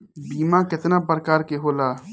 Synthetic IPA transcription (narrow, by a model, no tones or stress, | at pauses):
biːmãkɪt̪naːpɾəkaːɾkeɦoːlaː